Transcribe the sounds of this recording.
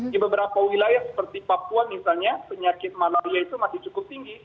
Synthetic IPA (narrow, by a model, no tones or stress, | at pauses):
dibəbəɾapawilajahsə̥pərt̪ipapuanmisalɲapəɲakɪt̪̚malaiait̪umasɪŋt͡ʃukʊp̚t̪iŋɡi